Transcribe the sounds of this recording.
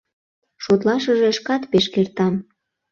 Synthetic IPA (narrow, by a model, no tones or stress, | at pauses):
ʃot̪̬lɑʃəʒeəʃkɑt̪peʃkert̪ɑm